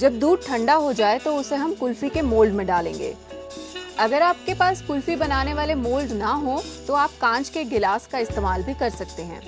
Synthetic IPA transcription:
d͡ʒɐb̚d̪uːɖ̚ʈʰɐ̃ɳɖaɦod͡ʒaːet̪oʊseɦɐmkʊlfikemoːlɖmẽɖaːlḛ̃ːŋɡḛː | ɐɡəɾaːp̚kepaːskʊlfibɐnaːneʋaːlemoːlɖnaɦõt̪oaːp̚kãːt͡ʃkeɡɪlaːskaɪst̪eːmaːlbʱikɐɾsɐk̚t̪eɦɛ̰̃ː

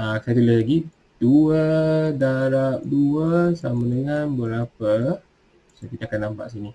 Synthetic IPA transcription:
akat̪uləlaɡi | d̥uədaɾap̚duəsamãdəŋanbəɾapə | skit̪akanːampa̰ʔsini

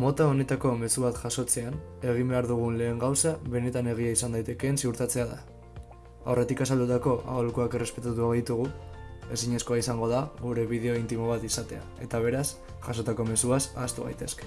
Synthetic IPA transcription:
mo̞t̪ao̞ne̞t̪ako̞me̞suβat̪ʝaso̞t͡se̞ane̞ɣ̞imbe̞aɾðuɣ̞unle̞ːŋɡawsaβe̞ne̞t̪ane̞ɣ̞iaisand̪ajt̪e̞kensiuɾt̪at͡se̞aða | a̰wre̞t̪ikasald̪ut̪ako̞ʔa̰ɣolukuakere̞spe̞t̪at̪uaβaðit̪uɣ̞ue̞siɲe̞sko̞aisaŋɡo̞ð̞aɣuɾe̞βiðe̞o̞int̪imo̞β̞at̪isat̪e̞a̰e̞t̪aβ̞e̞ɾas | ʝaso̞t̪ako̞me̞suasast̪uβa̰jt̪e̞ske̥

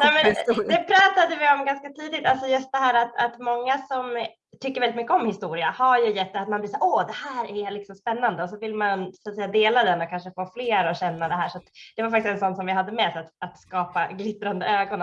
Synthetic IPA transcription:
nɛmɛnd̪ɛpʰɾɑːt̪ad̪əvɪɔmɡanskat̪ʰiːd̪ɪt̪alsɔjɵst̪̚d̪ɛɦæːɾat̪at̪mɔŋːasɔm | t̪ʰʏkːəɾvɛlɪt̪mʏkːəɔmhɪst̪uːɾɪahaɾjɵjɛt̪ːat̪manbliːsaːɾɔd̪ɛhæːɾælɪksɔmspɛnːand̪əɔs̬ɔvɪlmansat̪sɛjːad̪eːlad̪ɛnɔkʰanʂəfoːfleːɾɔɕɛnːad̪ɛɦæːʂat̪d̪̥ɛvaɾfak̚t̪ɪsɛnsɔnːsɔmvɪɦad̪ːəmɛsat̪at̪skɑːpaɡlɪt̪ːɾand̪əøːɡɔn

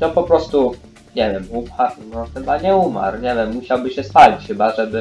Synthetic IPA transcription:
nɔpɔpɾɔst̪u | ɲɛvʲjɛmumaɾnɔxɘbaɲɛuma̰ɾɲɛvʲjɛmːuɕawbɘɕɛst̪alʲit͡ɕxɘbaʐɛbɘ

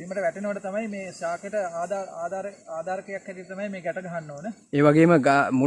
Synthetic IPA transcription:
siːmːəʈəʋæʈenəʋəɖət̪amɐjmeːʃaːkəʈəaːd̪aːaːd̪aːɾeaːd̪aːɾəkejakhɛt̪ilt̪amajmeːɡɛʈəɡɐɦanːoːnəeːʋaɡeːməɡamu

